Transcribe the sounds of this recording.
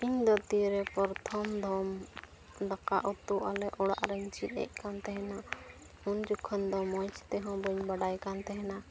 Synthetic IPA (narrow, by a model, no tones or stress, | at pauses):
iɲd̪ɔt̪iɾɛpɔɾt̪ʰɔmd̪ʱɔm | d̪akaʔɔt̪uʔalɛʔɔɽa̰ʔɾəɲt͡ʃit̪̚ˀɛ̰ʔ̚kant̪ɛɦɛna | und͡ʒukʰːənd̪ɔmɔ̃t͡ʃt̪ɛɦɔ̃bəɲbaɖajkant̪ɛɦɛna